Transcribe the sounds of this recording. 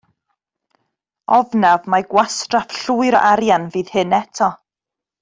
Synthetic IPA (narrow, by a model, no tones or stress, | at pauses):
ɔvnavmaɡwastrafɬuːɨɾɔ̰ʔaɾjanviːðhɨnɛtʰɔ